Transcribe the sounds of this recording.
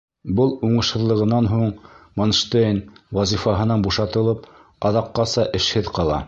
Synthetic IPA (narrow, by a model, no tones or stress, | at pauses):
bɤlˠuɴɤ̆ʃhɤ̆ðlˠɤ̆ʁɤ̆nːɑnɦuɴmonʃt̪enwɑzifɑɦɤ̆nɑnbuʃɑt̪ɤ̆lˠɤp | ɑðɑqːɑsɑʔɘ̆ʃhɘðqɑlˠɑ̰